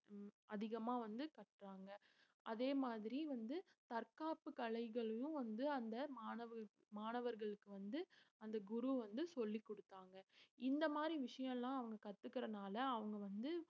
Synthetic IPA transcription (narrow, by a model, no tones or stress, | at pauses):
ɐðɪɣɐmaːʋɐnd̪ɯkɐʈraːŋɡɐ | ʔɐðeːmaːðɪɾiʋɐnd̪ɯt̪ɐɾkaːpɯkɐɭɐɪɣɐɭɯjʊ̃ʋɐnd̪ɯɐnd̪ɐmaːnɐʋɯ | maːnɐʋɐɾɣɐɭɯkːɯʋɐnd̪ɯɐnd̪ɐɡʊɾuʋɐnd̪ɯsɔlːikːɔɽɯt̪ːaːŋɡɐɪnd̪ɐmaːd̪ɾiʋɪʂɐjɐ̃ɛlːãːɐʋɐŋɡɐkɐt̪ːɯkːɪɾɐnaːlɐːʋɐŋɡɐʋɐnd̪ɯ